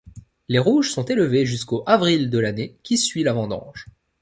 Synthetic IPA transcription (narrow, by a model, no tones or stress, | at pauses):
leʁuʒsɔ̃t̪eləveʒyskoʔavʁild̪əlanekʲisɥilavɑ̃d̪ɑ̰̃ʒ